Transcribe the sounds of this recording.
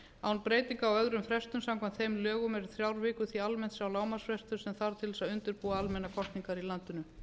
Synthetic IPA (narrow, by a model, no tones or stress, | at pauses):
awnpɾeːjt̪iŋkaːwœðɾʏmfɾɛst̪ʏmsãmkʰvant̪θejmlœːɣʏmɛɾʏ̥θɾjawɾvɪːkʏθialmɛn̥t̪sjawlaːwmasvɛst̪ʏɾ̥sɛmθaɾ̥t̪ʰɪlsaðʏnt̪ʏɾpuːaalmɛnakʰɔst̪niŋkaɾilant̪ʏnʏ